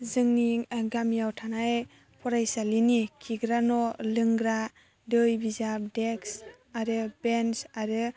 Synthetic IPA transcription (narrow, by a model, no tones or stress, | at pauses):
zɯŋniɡamijawtʰanaj | pʰɔɾajsalinikʰiɡɾanɔlɯŋɡɾa | dɯjbizap̚deks | aɾɯbensaɾɯ